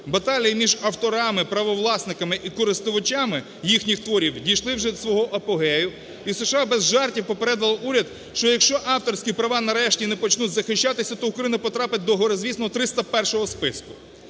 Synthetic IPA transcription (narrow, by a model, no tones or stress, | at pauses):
bɐt̪ɑlʲijimʲiʒɐwt̪ɔɾɑmɪpɾɐʋɔʋlˠɑsnɪkɐmɪʔikɔɾɪst̪ʊʋɐt͡ʃamɪ | jixnʲixt̪ʋɔɾʲiwdʲijʃlˠɪwʒɛd̪sʋɔɦɔʔɐpɔɦɛjʊ | iseʃɐɑbɛzʒɑrtʲiwpɔpeɾɛd̪ɐlˠɐʔuɾʲɐd̪ | ʃt͡ʃɔjɐkʃt͡ʃɔʔɑwt̪ɔrsʲkʲipɾɐʋɑnɐɾɛʃtʲinɛpɔt͡ʃnutʲzɐxɪʃʲt͡ʃːat̪ɪsʲɐt̪ɔʊkɾɐjinɐpɔt̪ɾɑpɪt̚ʲd̪ɔɦɔɾɔzʲʋʲisnɔɦɔt̪ɾɪst̪ɐpɛrʃɔɦɔspɪskʊ̥